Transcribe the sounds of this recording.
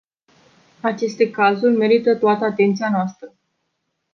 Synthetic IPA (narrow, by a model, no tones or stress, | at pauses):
at͡ʃe̞st̪e̞kazurʲme̞ɾit̪ət̪oat̪əat̪e̞nt̪sianoast̪ɾə